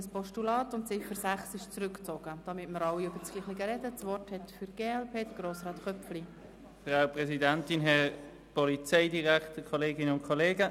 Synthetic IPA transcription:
əspɔʃtulɑːtʊntsɪfyɾsæχsɪʃt͡sɾʏkt͡soɡ̥əd̥ɑmɪtməɾɑwiøbəɾt͡sɡ̥liːχliɡəɾɛdət͡sʋɔthɛtfyɾɡ̥eːɛlpʰeːd̥əɡ̥roːsʁɑːtχœpfli | fʁaʊpʁɛsidɛntinɦɛ | pʰɔlit͡seɪdiʁækʰtəkʰoleːɡɪnʊntkʰoleːɡə

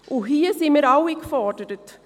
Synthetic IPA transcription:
ʔuɦiəsimiːɾɑwikfɔdəɾət

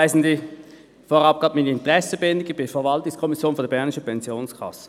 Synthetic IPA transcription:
ɪzn̩di | foːʁɑp̚ɡ̥ɑːp̚miːnəɪntʁɛsəbɪndɪɡəbifɛɐvɑltɪŋskʰɔmɪsjoːnfyːɐdɛɐbɛʁnɪʃəpʰɛnzjoːnskʰɑ̰sə̥

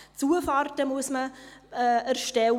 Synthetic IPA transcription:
t͡suəfɑrtəmuəsmə | æɾʃtɛ

